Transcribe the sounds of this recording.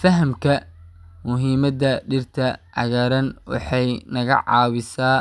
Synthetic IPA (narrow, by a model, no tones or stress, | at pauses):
fɐɦɐmkʰɐmʊɦiːmɐd̪ɐɖɪrt̪ʰɐʕɑ̰ɣɐːɾɐnwɑ̰ħɑjnɐɣɐ̰ʕɑ̰ːwɪsaː